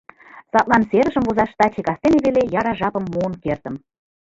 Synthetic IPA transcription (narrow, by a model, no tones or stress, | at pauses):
sɑt̪̚lˠɑnseɾə̆ʒə̆mvuzɑʃt̪ɑt͡ɕikɑst̪eneβelejɑɾɑʒɑpə̆mːuənkert̪ə̆m